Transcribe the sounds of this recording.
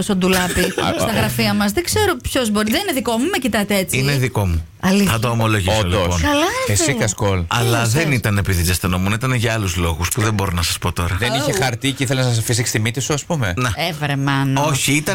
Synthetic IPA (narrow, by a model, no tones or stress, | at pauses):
osond̪ulɐpist̪ɐɣɾɐfiɐmɐzðeɡze̞ɾopço̞zbo̞ɾiðenineðiko̞mumecit̪ɐt̪eet͡sineðiko̞mu | ɐliθɐt̪oomo̞lo̞ʝislpnkɐlɐesikɐskolɐlɐðe̞nit̪ɐnepiðizɐst̪enomunit̪ɐneʝɐɐluzlo̞ɣuspuðembo̞ɾonɐsɐspo̞t̪o̞ɾɐðeniçexɐɾt̪iciθelenɐsɐs̬ɐfis̬ikst̪imit̪isuɐspume̞nɐevɾemɐno̞çiit̪ɐ